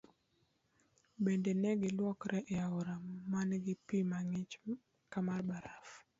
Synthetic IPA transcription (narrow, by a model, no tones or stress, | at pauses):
bendenɛɡɪlwɔkɾɛʔeaɔɾamanɡɪpimaŋɪt͡ʃ | kamarbaɾaf